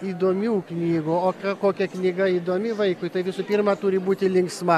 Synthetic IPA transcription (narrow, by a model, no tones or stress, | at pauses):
iːd̪oːmʲuːknʲiːɡʊoːkɐkoːkʲɛknʲiːɡɐiːd̪oːmʲɪʋɐɪkʊɪt̪ɐɪʋʲɪsʊːpʲiːrmɐt̪ʊɾʲɪbuːt̪ʲɪlʲɪŋksmɐ